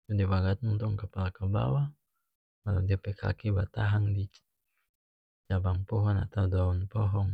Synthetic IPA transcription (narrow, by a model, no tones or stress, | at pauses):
tudibaɡat̪nunt̪ʊŋkəpalakəba̰wa | maladiapɛkʰa̰kibat̪aɦaŋdi | t͡ʃabaŋpɔɦɔna̰t̪awdaɔnpɔɦɔŋ